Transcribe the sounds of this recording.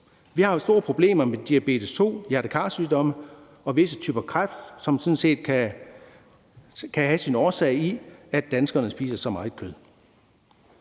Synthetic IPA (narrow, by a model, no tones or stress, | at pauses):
ʋihɑ̈sd̥o̝ːɐpʰʁo̝b̥le̝̰ːmɐmed̥iæb̥e̝̰ːd̥əst͡sʰo̝̰ːjæɐɾ̥əkʰɑ̰̈syːd̥ɒ̽mə | ɒ̽ʋe̝sət͡sʰy̰ːb̥ɐkʰʁafd̥sɒ̽msɔ̽nse̝̰ːd̥̚kʰæ | kʰæhæsinɒːsɛ̰ɪiæ̥d̥ænsɡ̥ɐnəsb̥ḭːsɐsɒ̽mɑ̈ːð̩ˠkʰøð̞ˠ